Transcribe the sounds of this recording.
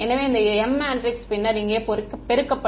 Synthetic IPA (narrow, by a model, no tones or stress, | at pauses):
ɛnːɐʋeːɪnd̪ɐɛmːaːɳɖɾɪkspɪnːɐɾɪŋɡeːpɔɾɯkːɯpɛɾɯkːɐpːɐ